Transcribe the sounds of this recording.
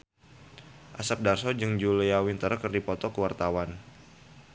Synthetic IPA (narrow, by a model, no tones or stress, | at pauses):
ʔasap̚darsɔd͡ʒɨŋd͡ʒuləjawint̪əɾəkərdipɔt̪ɔkəwart̪awan